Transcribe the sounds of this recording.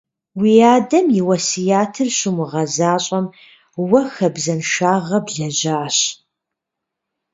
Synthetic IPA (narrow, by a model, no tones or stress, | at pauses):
wijaːdɐmjɪwɐsɨjaːtʰɨrɕʊmuʁɐzaːɕʼɐm | wɐxɐbzɐnʃaːʁɐbɮɐʑaːɕ